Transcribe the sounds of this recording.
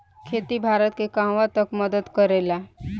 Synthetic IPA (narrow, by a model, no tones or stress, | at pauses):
kʰeːt̪ibʱaːɾət̪̚kekãːʋat̪əkməd̪əd̪kəɾela